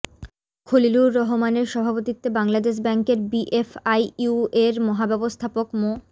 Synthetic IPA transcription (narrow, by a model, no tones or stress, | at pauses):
kʰoliluːɔɦomaneɾʃɔbʱapot̪it̪ːebaŋlad̪eʃ̬bɛŋkeɾbiʔefajueɾmɔɦabɛbost̪ʰapokmo